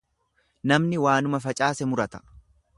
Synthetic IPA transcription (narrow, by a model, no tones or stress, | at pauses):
nɐmnɪwaːnʊmɐfɐt͡ʃʼaːsɛmʊɾɐt̪ɐ̥